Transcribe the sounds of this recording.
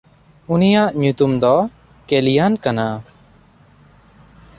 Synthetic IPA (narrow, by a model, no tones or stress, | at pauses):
unijaʔɲut̪umd̪ɔ | kelijankana